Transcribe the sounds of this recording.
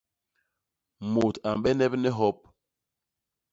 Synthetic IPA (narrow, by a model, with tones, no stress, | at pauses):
mo˨ta˨m˨ɓɛ˦nɛ˦pnɛ˦ɦɔ˦p̚